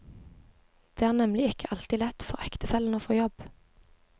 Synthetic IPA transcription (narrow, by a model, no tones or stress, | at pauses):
d̪̥eːæːʁnɛmlɪɪkʰəʔɑlt̪iːlɛt̪fɔʁɛkt̪əfɛln̩oːfoːjɔb